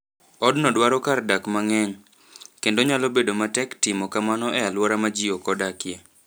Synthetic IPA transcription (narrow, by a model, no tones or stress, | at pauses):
ɔdnɔdwaɾɔkardakmaŋɛɲ | kendoɲalɔbedomatɛktɪmɔkamanɔɛalwɔɾamad͡ʒiokɔdakje